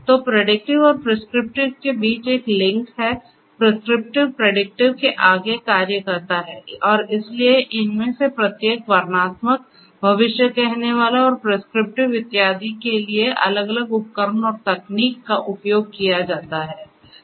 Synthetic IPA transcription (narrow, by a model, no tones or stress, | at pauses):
t̪oːpɾeɖɪk̚ʈɪʋɔːɾpɾɪskɾɪp̚ʈɪʋkebiːt͡ʃeːklɪ̃ŋkɦɛ | pɾɪskɾɪp̚ʈɪʋpɾeɖɪk̚ʈɪʋkeʔaːɡekaːɾjəkəɾt̪aɦɛːɔːɾɪslieʔɪnmẽsepɾɐt̪jeːkʋaɾnaːt̪mək̚ | bʱɐʋɪʃjəkɛɦneʋaːlaɔːɾpɾɪskɾɪp̚ʈɪʋːɪt̪ːjaːd̪ikelieʔɐ̰ləɡɐləɡʊp̚kəɾənɔːɾt̪ɐkniːkːaʔʊpjoːɡ̚kijad͡ʒaːt̪aɦɛː